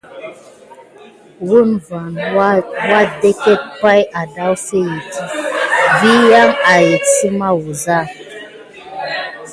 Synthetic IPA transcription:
wu˦nva˨n | wa˦de˦kɛ˦t̚ka˦ja˨da˦wfe˦ji˨tʰi˦vi˦ja˦ŋa˨je˨tsi˦ma˦wu˨za˦˨

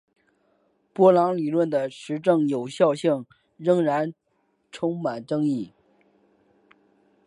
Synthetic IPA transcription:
pwɔ˥lɑ˧˥ŋli˨˩lwə˥˩nd̪ə˩ʂɻ̩˧˥ʈ͡ʂɤ˥˩ŋjo˨˩ʊɕjɑ˥˧ʊɕi˥˩ŋ | ɻɤ˥ŋɻa˧˥n | ʈ͡ʂʰʊ˥ŋma˨˩nʈ͡ʂɤ˥ŋi˥˩

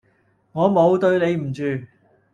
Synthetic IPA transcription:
ŋɔː˨˧mo˨˧wt̪ɵ˧ɥne˨˧jm̩˨˩t͡ʃyː˨

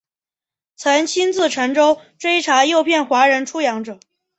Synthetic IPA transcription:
t͡sʰə˧˥nt͡ɕʰi˥nt͡sɹ̩˥˩ʈ͡ʂʰɤ˧˥ŋʈ͡ʂo˥ʊʈ͡ʂwe˥ɪʈ͡ʂʰa˧˥jo˥˧ʊpʰjɛ˥˩nxwa˧˥ɻə˧˥nʈ͡ʂʰu˥jɑ˧˥ŋʈ͡ʂɤ˨˩˦

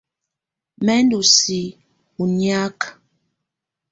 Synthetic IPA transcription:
mɛ˦n˦du˨si˨ | u˨nja˦k

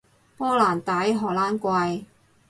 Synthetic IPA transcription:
pɔː˥laː˨˩nt̪aː˨˥jɦɔː˨˩laː˥nkʷɐ˧j

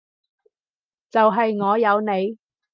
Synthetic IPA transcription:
t͡sɐ˨wɦɐ˨jŋɔː˨˧jɐ˨˧wne˨˧j

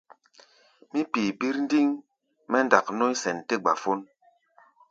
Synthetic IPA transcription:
mi˦pi˨bi˦ɾn˦di˦ŋ | mɛ˦nda˨kno˦i˦sɛ˨nte˦ɡ͡ba̰˨fo˦n

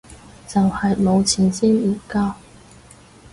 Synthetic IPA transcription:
t͡sɐ˨whɐ˨jmo˨˧wt͡sʰiː˨˩nsiː˥m̩ː˨˩kaː˥w

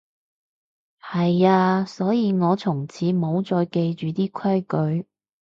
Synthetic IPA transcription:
hɐ˨jaː˧sɔː˨˥jiː˨˧ŋɔː˨˧t͡sʰʊ˨˩ŋt͡sʰiː˨˥mo˨˧wt͡sɔː˧jke˧jt͡ʃyː˨t̪iː˥kʰɐ˥jkɵ˨˥ɥ

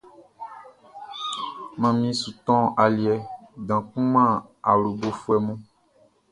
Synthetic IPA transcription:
mã˨mĩ˦su˨t̪ɔ̃˦a˨li˨ɛ˨dã˨kũ˦mã˦a˨wlu˨bo˨fu˦ɛ˨mũ˦

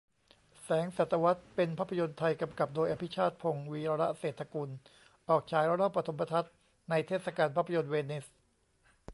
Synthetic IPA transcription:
sɛː˩˦ŋsa˨˩t̪ʰːa˧wa˦˥t̪̚pe˧npʰa˦˥pʰːa˧jo˧nt̪ʰa˧jka˧mka˨˩p̚doː˧jʔa˧pʰi˦˥t͡ɕʰaː˥˩t̪̚pʰo˧ŋwiː˧ɾa˧ɾa˦˥ʔseː˨˩t̪ʰːa˧kuː˧n | ʔɔː˨˩k̚t͡ɕʰaː˩˦jɾa˦˥ɾɔː˥˩pːɾa˧t̪ʰo˩˦mpɾa˧t̪ʰa˦˥t̪̚ | na˧jt̪ʰeː˥˩sa˧kaː˧npʰa˦˥pʰːa˧jo˧nweː˧ni˦˥s

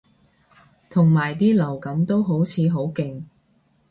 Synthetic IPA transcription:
t̪ʰʊ˨˩ŋmaː˨˩jt̪iː˥lɐ˨˩wkɐ˨˧˥mt̪o˥wɦo˨˥wt͡sʰiː˨˧ɦo˨˥wkɪ˨ŋ

